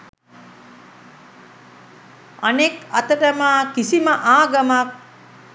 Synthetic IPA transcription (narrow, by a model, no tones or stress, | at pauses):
anekɐt̪əʈəmaːkisiməʔaːɡɐmak̚